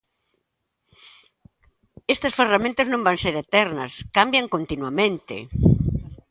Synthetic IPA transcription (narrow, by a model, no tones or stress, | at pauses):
est̪ɐsferamẽnt̪ɐznõmbaŋseɾet̪ɛɾnɐ̰skambjɐŋkont̪inwamẽnt̪ɪ̰